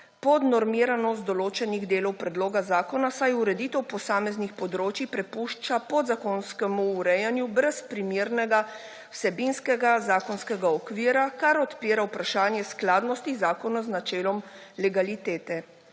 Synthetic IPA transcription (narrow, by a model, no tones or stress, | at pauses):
pɔd̪nɔɾmiːɾanɔst̪d̪ɔloːt͡ʃɛniɣd̪eːlɔwpɾɛd̪loːɡazaːkɔnasajuɾɛd̪iːt̪ɛwpɔsaːmɛznixpɔd̪ɾoːt͡ʃipɾɛpuʃt͡ʃapɔd̪zakoːnskɛmuːɾɛjanjubɾɛspɾimiːɾnɛɡa | wsɛbinskɛɡazaːkɔnskɛɡaɔkʋiːɾakaɾɔt̪piːɾawpɾaʃaːnjɛsklaːd̪nɔst̪izaːkɔnɔznat͡ʃɛːlɔmlɛɡalit̪ɛːt̪ɛ